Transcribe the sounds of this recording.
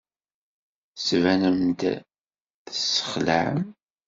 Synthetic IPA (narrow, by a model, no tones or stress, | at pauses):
svænəmd̪ | θəsːə̥χlə̰ʕ̰m